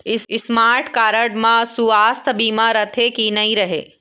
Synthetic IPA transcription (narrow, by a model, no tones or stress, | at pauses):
ɪɪsmaːɾʈkaːɾəɖmãsuaːst̪ʰbiːmaɾɐt̪ʰekinɐɦĩɾɐɦḛː